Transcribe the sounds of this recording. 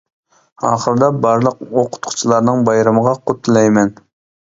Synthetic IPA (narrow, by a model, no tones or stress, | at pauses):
ɑ̰ːχəɾɨd̪ɑbɑɾlˠəq̚oqʰʊ̥t̪qʰʊ̥t͡ʃʰilˠɑɾnɨŋbɑjɾɑməʁɑqʰʊt̪ʰːlˠɛjmɛn